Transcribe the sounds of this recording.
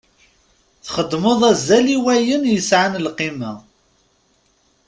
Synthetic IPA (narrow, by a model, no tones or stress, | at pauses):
θχəd̪moðˤæzːæliwæjənjəsʕanlqimæ